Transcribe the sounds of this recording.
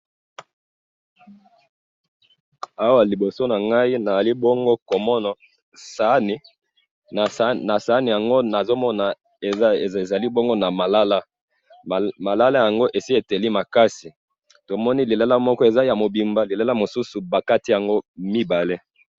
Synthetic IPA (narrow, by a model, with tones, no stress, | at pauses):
a˦wa˨li˨bo˨so˦na˨ŋɡa˦i˦na˨za˨li˦bɔ˦ŋɡo˦ko˨mɔ˦na˨ | sa˦n˨˦˨ | na˨sa˨˦ni˨ja˨ŋɡo˦na˨zo˦mɔ˦na˨ | e˨˦e˨za˨li˦bɔ˦ŋɡo˦na˨ma˨la˦la˦ | ma˨la˦la˦ja˨ŋɡo˦ʔe˨si˦e˨te˨li˦ma˨ka˦si˨ | to˨mɔ˦ni˦li˨la˦la˦mɔ˦kɔ˦e˨za˦ja˨mo˨bi˨mba˨li˨la˦la˦mo˨su˦su˨ba˨ka˦ti˦ja˨ŋɡo˦mi˦ba˨le˦